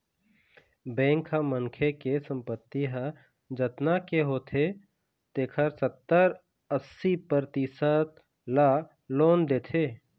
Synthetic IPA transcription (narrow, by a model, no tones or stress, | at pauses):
bɛ̃ːŋkʰaməŋkʰekesə̃mpət̪ːiɦə | d͡ʒət̪nakeɦoːt̪ʰe | t̪eːkʰəɾsət̪ːəɾ | əsːipəɾt̪isət̪ | la | loːnd̪eːt̪ʰeː